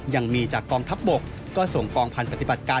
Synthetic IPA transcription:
ja˧˩ŋmiː˧t͡ɕaː˨˩kːɔː˧ŋt̪ʰa˦˥p̚bo˨˩k̚ːɔː˥˩so˨˩ŋkɔː˧ŋpʰa˧npɾa˧t̪i˨˩ba˨˩t̪̚kaː˧

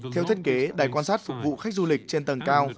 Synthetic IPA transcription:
t̪ʰɛ˧wt̪ʰə˦˥t̚ke˨˦ɗaː˨˩jkwaː˧nsaː˦˥t̚fʊ˨˩k̚vṵ˧˨xa˦˥k̟̚zu˧lï˨˩k̟̚t͡ɕe˧nt̪ə˨˩ŋkaː˧w

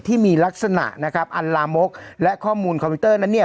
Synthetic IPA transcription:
t̪ʰiː˥˩miː˧la˦˥k̚sa˧na̰˨˩ʔna˦˥kʰa˦˥p̚ʔa˧nlaː˧mo˦˥k̚lɛ˦˥ʔkʰɔː˥˩muː˧nkʰɔ˧pʰi˦˥t̪ɤː˥˩na˦˥nːi˥˩ɐ

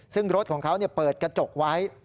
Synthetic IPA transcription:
sɯ˥˩ŋɾo˦˥t̪̚kʰɔː˩˦ŋkʰa˦˥wni˥˩ɐpɤː˨˩t̪̚kɾa˧t͡ɕo˨˩k̚wa˦˥j

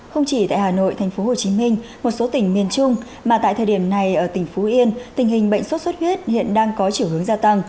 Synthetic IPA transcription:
xə˧wŋ͡mt͡ɕi˧˩t̪a̰ː˧˨jɦaː˨˩no̰˧˨jt̪ʰa˨˩jŋ̟fo˨˦ho˨˩t͡ɕi˨˦mi˧ŋ̟mo˨˩t̚so˨˦t̪ï˧˩ŋ̟mi˨˩ənt͡ɕʊ˧ŋ͡m | maː˨˩t̪a̰ː˧˨jt̪ʰəː˨˩ɗi˧˩əmna˨˩jʔəː˧˩t̪ï˩ŋ̟fo˨˦ʔi˧ənt̪ï˨˩ŋ̟hï˨˩ŋ̟ɓə̰˧˨ŋ̟sə˦˥t̚sə˦˥t̚hwi˦˥t̚hḭ˧˨ənɗaː˧ŋkɔ˨˦t͡ɕi˧˩əwhɨ˨˦əŋzaː˧t̪a˧ŋ

